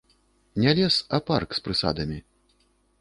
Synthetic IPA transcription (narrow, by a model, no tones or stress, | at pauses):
nʲɛlʲɛsɐparkspɾɨsa̰d̪ɐmʲi